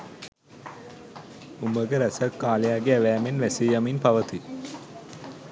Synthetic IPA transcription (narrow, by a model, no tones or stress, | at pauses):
uməɡəɾæsəkːaːlejaɡeæʋæːmenʋæsejaminpaʋət̪i